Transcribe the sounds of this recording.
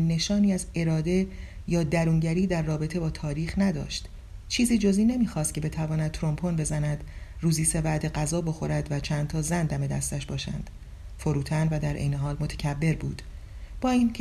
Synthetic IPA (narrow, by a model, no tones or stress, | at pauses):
ne̞ʃɒːniːæze̞ɾɒːd̪e̞jɒːd̪æɾuːŋɟæɾiːd̪æɾːɒːbe̞t̪ʰe̞bɒːt̪ʰɒːɾiːxnæd̪ɒ̰ːʃt̪ | t͡ʃʰiːziːd͡ʒoziːne̞miːxɒːst̪̚cʰe̞be̞t̪ʰævɒːnæd̪̚t̪ʰɾompʰo̞nbe̞zænæd̪̥ruːziːse̞væʔd̪e̞ɡæzɒːbo̞xo̞ɾæd̪væt͡ʃʰænd̪t̪ʰɒːzænd̪æme̞d̪æ̰st̪æʃbɒːʃæ̰nd̪̥ | fo̞ɾuːt̪ʰænvæd̪æɾʔḛjneɦɒːlmo̞t̪ʰæ̥cʰæbːe̞ɾbuːd̪̥ | b̥ɒːiːnʰ